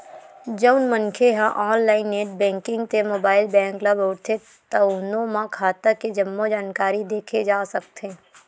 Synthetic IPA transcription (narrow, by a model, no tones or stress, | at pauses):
d͡ʒəʊnmənkʰeɦãʔɔːnlaːɪnːeːʈ̚bɛ̃ːŋkɪ̃ŋɡt̪emoːbaːɪlbɛ̃ːŋkləboːɾt̪ʰe | t̪ɐnõmãkʰaːt̪əked͡ʒɐmːod͡ʒaːnkaːɾid̪eːkʰed͡ʒaːsɐk̚t̪ʰeː